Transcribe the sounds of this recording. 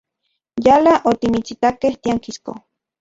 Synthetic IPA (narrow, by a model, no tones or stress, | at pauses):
jalaʔot̪imit͡sit̪akeht̪iaŋkisko̰